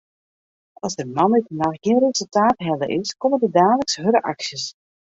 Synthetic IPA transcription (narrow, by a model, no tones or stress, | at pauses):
ɑlˠzdəmɑnitnaχɡ̥ɪənrezəlˠtaːtɦɛlə̰ʔɪskomədədaːləksɦøɾəʔa̰ksjəs